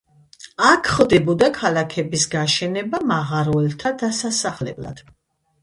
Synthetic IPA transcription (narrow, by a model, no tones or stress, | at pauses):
akʰχlˠd̪ɛbɔd̪akʰalakʰɛbisɡaʃɛnɛbamaʁaɾɔɛlt̪ʰad̪asasaχlɛ̰bla̰d̪̥